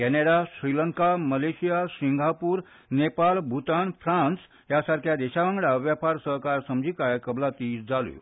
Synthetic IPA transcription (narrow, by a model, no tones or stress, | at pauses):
kɛneɽasɾiləŋkaməlesijasiŋɡʱapuːɾ | nepalbʱut̪anfʰɾãns | jasaɾkʰjad̪eɕaʋãŋɡɽaʋjapaɾsəɦkaɾsəmd͡ʑʱikajkəblat̪iːsd͡zalṵ